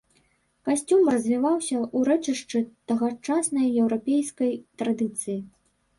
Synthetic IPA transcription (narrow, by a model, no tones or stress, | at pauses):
kasʲt͡sʲumrɐzʲvʲivawsʲɐʔuɾɛt͡ʂɨʂt͡ʂɨt̪ɐɣat͡ʂasnɐjɛwɾapʲejskɐjt̪ɾad̪ɨt̪sɨji